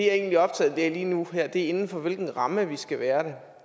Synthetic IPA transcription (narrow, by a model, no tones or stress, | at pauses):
eæɐe̝̰ːnliɒ̽b̥̚t͡sʰɛ̰ːð̩ˠd̥eɐ̰liːnuɦæɐ̰d̥e̝ɐe̝nn̩fɒ̽ʋe̝lɡ̥n̩ʁɑ̈məʋisɡ̥æʋæːɐɾe